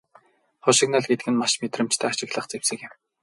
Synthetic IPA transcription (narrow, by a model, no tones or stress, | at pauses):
χʊʃɪ̆knaɮɡet̪̚ɡɘ̆nmaʃmet̪rɘ̆m̥t͡ɕt̪ʰæːaʃɪ̆kɮə̆χt͡sewsɘ̆kɪ̆m